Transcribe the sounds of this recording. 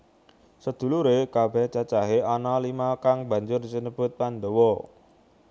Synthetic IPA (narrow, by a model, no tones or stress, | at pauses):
səd̪̥ṳluɾekab̥ɛ̤ht͡ʃat͡ʃaɦeɔnalimakaŋbä̤ɲd͡ʒʊrsinəb̥ʊ̤t̪̚pand̪owɔ